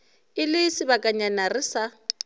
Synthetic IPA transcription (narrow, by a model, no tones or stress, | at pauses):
ɪlɪsɪβakʼaɲanarɪsa